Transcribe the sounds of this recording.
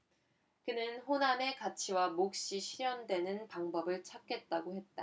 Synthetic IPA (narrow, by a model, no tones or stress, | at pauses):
kɯnɯnɸonane̞kat͡ɕʰiwamok̚ɕ͈iɕʰiɾjʌndwe̞nɯnpaŋbʌbɯɭt͡ɕʰak̚k͈e̞t̚t͈aɡohe̞t̚t͈a